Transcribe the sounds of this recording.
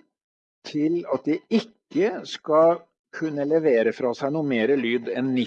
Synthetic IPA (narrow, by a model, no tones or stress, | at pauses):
t̪ʰɪlɑt̪̚d̪ɪɪkːəskɑ | kʰʉnːəlɛʋeːɾəfɾɑːsæɪnuːmeːɾəlyːd̪ɛnːɪ